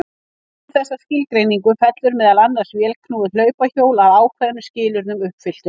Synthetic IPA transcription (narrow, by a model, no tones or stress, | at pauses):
θɛsːascɪlkɾejniŋkʏmfɛt̪lʏɾmɛːðalanːar̥svjɛːlkʰnuːðʏlœːɥpaçoːwlaðaːwkʰvɛðanʏscɪːlʏɾnʏmʏhpfɪl̥t̪ʏ